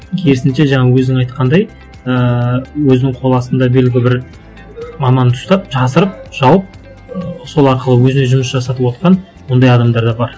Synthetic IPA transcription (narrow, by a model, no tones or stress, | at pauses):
kʲʰe̞ɾɪsɪnʃe̞ʒɑɴɑwɵznɪŋɑjt̪̚qʰɑnd̪ɑj | əwɵzɪnɪŋɴqʰo̞lˠɑsənd̪ɑbelɡʲɪlɪbɪɾ | mɑmɑnt̪ʰʊ̥st̪ɑp̚ʒɑsəɾəp̚ʒ̥ɑwəp̚ | so̞lˠɑɾqəlˠəwɵzɪne̞ʒʊməsʒɑsɑt̪əpwo̞t̪qɑn | wo̞nd̪ɑjɑd̪ɑmd̪ɑɾd̪ɑbɑɾ